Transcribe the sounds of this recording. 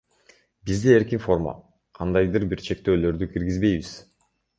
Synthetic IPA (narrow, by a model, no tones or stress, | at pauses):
bizd̪ee̞ɾkinfo̞rma̰ | qʰɑnd̪ɑjd̪ɯɾbiɾt͡ʃʰe̞k̚t̪ø̞ːlø̞ɾd̪ykʰiɾɡizbe̞jβiz̥